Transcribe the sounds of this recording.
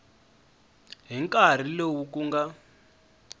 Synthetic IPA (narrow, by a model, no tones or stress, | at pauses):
ɦiŋkʼar̤ilowuk̬ʼuŋɡa